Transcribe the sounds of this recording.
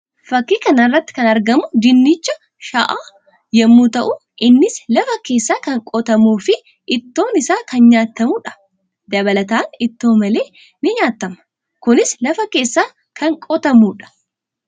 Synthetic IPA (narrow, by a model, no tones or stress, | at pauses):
fɐkːiːkɐnɐrːɐt̪ːɪ̥kɐnɐɾɡɐmʊd͡ʒ̪ɪnːit͡ʃːɐ | ʃɐʔaː | jɛmːuːt̪ɐʔʊ | ʔɪnːɪslɐfɐke̞ːsːaːkɐŋkʼɔt̪ɐmuːfɪ | ɪt̪ːo̞ːnɪsaːkɐnɲaːt̪ːɐmuːᶑɐ̥ | d̪ɐβɐlɐt̪aːnɪt̪ːo̞ːmɐle̞ː | nɪɲaːt̪ːɐmɐ̥ | kʊnɪslɐfɐke̞ːsːaː | kʰɐŋkʼɔt̪ɐmuːᶑɐ̥